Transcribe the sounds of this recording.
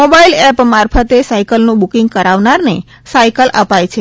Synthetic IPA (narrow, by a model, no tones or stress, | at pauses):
mobailɛpmaɾpʰət̪esaikəlnũbukiŋɡ̚kəɾaʋnaɾne | sajkəlapajt͡ʃʰe